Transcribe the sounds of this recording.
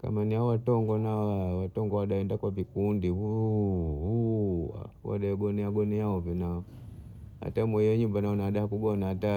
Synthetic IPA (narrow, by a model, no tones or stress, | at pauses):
ka̰maniaɔwatɔŋɡɔnawawatɔŋɡɔwaɗaɛndakwavikundiu | ṵ | wa̰ɗaɛɡɔniaɡɔniaɔvɔnaɔ | ha̰tamwɔhijɔɲumbanaɔnaaɗahakuɡɔnaata